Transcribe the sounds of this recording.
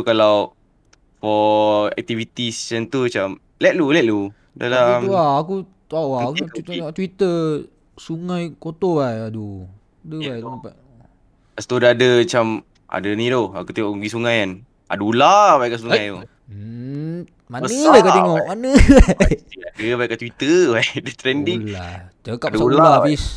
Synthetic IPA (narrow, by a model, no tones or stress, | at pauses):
t̪ukalaw | fɔɛ̰k̚t̪ivit̪isjant̪umat͡ʃam | lɛt̪̚lulɛt̪̚lu | dalamwaakut̪aʔwakuieŋɔʔt̪wit̪ə | suŋãjkot̪obajadu | dəbajt̪pa | ast̪udadəmat͡ʃam | ʔa̰dənĩdoha̰kut̪eŋɔʔuɡisuŋajan | ʔa̰dulabajʔkaʔsuŋajt̪o | mabənəbajkat̪eŋɔʔmanəbaiadəbajʔkaʔt̪wit̪əbajdət̪ɾɛndiŋla̰t͡ʃəkadslaaabis